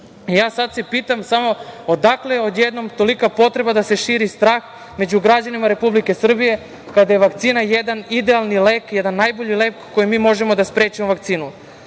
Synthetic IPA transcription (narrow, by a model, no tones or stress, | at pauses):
ijaːsad̪se̞piːt̪amsamo̞od̪akleo̞d̪jed̪nomt̪o̞likapo̞t̪ɾe̞bad̪ase̞ʃiːɾist̪ɾaːx | me̞d͡ʑuɡɾad͡ʑanimaɾe̞publike̞sr̩bije̞ | kad̪ajeʋakt̪siːnajed̪anid̪ealˠnileːkjed̪anːajbo̞ʎileːkːo̞jimiːmo̞ʒe̞mo̞d̪aspɾeːt͡ɕimoʋak̚t̪siːnu